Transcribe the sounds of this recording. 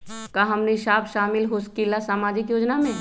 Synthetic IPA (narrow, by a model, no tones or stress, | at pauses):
kaɦɐmniʃaːpʃaːmɪlɦʊskilasaːmaːd͡ʒɪkjoːd͡ʒnamẽː